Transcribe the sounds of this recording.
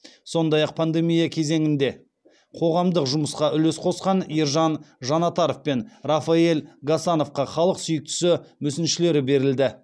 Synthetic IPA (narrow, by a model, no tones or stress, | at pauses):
so̞nd̪ɑjɑq̚pʰand̪e̞mijakʲʰe̞ze̞ŋɪnd̪e̞ | qʰo̞ʁɑmd̪əqʒʊməsqɑʔʏlesqʰo̞sqɑnijɾʒɑnʒɑnɑt̪ɑɾofpe̞nrafɑe̞lɡasɑno̞fqɑχɑlˠəqsʏjɪk̚t̪ɪ̥sɪmʏsɪnʃɪle̞ɾɪbe̞ɾɪld̪ɪ